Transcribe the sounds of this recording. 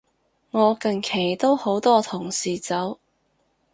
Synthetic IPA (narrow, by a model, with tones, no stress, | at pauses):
ŋɔː˨˧kɐ˨˧nkʰe˨˩jt̪o˥who˨˥wt̪ɔː˥t̪ʰʊ˨˩ŋsiː˨t͡sɐ˨˥w